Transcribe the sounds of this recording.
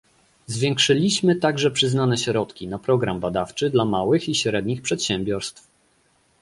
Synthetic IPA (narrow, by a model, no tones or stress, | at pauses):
zvʲjɛŋkʂɘlʲiɕmɘt̪aɡʐɛpʂɘznanɛɕɾɔt̪kʲinapɾɔɡɾambad̪aft͡ʂɘd̪lamawɘxiɕɾɛd̪ɲixpʂɛt̪ɕɛmbʲjɔɾst̪f